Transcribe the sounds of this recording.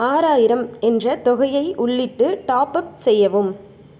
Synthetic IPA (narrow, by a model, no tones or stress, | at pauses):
aːɾaːjɪɾɐmɛndrɐt̪ɔɣɐjɐɪʔʊɭːɪʈːɯʈaːpɐp̚sɛjːɐʋɯm